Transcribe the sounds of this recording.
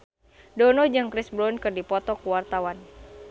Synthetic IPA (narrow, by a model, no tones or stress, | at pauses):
dɔnɔd͡ʒɨŋkɾɪsbɾɔnkɨrdipɔt̪ɔkuwart̪awan